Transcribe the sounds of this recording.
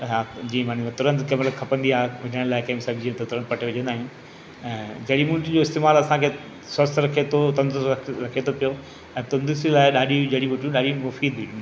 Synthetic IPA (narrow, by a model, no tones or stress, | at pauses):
ɦad͡ʑĩːmaːniʋɐt̪ʊɾə̃nd̪kɐmləkʰɐpə̃nd̪iaːɦeʋɐɲəɽə̃ɽ̃laːɪkɐ̃ːmsɐɡd͡ʑĩːt̪ɐt̪ʊɾə̃n̚pɐʈʰeʋɪɲə̃nd̪aːɦiũn | ɛ̃ːd͡ʑɐɽimʊ̃ːʈd͡ʑoɪst̪eːmaːlɐsãkʰeː | sɐst̪ʰɾɐkʰet̪ʰot̪ɐ̃nd̪ʊsɐɾɐkʰet̪ʰopijo | ɛ̃ːt̪ɐ̃nd̪ʊslaːɪɗaːɗid͡ʑɐɽiʋʊʈjũɗaːɗimʊfiːd̪iũ